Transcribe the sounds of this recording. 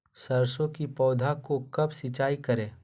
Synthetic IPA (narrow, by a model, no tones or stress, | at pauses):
sɐɾsõkipɔːd̪ʱakokɐbsɪt͡ʃaːikɐɾẽː